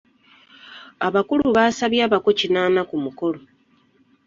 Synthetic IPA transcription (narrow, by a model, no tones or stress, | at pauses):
aβakuluβaːsaβjaːβako̞cinaːnakumuko̞lo